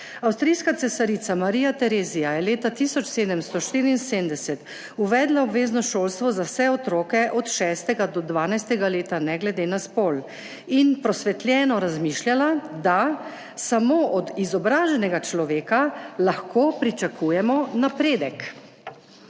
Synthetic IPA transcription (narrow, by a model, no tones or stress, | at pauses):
awst̪ɾijskat̪sɛsaɾit̪samaɾiːjat̪ɛɾezijajɛleːt̪at̪isɔt͡ʃseːd̪əmst̪ɔʃt̪iɾiːnsemd̪ɛsɛt̪ | uʋɛːd̪laɔbʋeːznɔʃoːlst̪ʋɔzawsɛɔt̪ɾoːkɛʔɔt̪ʃɛːst̪ɛɡad̪ɔd̪ʋaːnajst̪ɛɡaleːt̪anɛɡlɛd̪eːnaspoːl | inpɾɔsʋɛt̪lʲjɛːnɔɾazmiːʃljalad̪a | samoːʔɔd̪izɔbɾaːʒɛnɛɡat͡ʃlɔʋeːkalaxkoːpɾit͡ʃakʰujɛmɔnapɾeːd̪ɛk